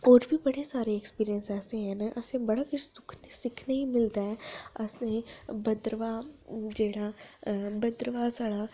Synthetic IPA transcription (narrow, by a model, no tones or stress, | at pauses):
oːɾbʱibɐɽesaːɾeɛkspiːɾijənsɛːsẽɦɛnaʔɐsẽbɐɽakəɾsʊkʰnesɪkʰneimɪlt̪aɦɛːɐsẽbəd̪ɾəʋad͡ʒeːɽa | bəd̪ɾəʋasaɽaː